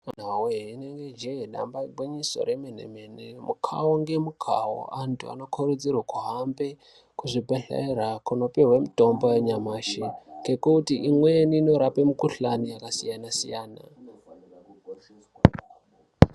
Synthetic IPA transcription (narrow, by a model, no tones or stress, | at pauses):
an̤awuɦeineŋɡed͡ʒeɦeɗa̰mbaɡ͡biɲiso̞̰ɾemenḛmenemukʰawoŋɡe̞mukʰawo̰ʔantʰṵa̰no̞kʰoɾud͡zirwakuɦambe | kuʐibeɬa̰iɾakuno̞piɦwemito̞mbojeɲamaːʃiŋɡekutiʔimweniːno̞ɾapemukuɬanijakasḭjanasḭjaːna̰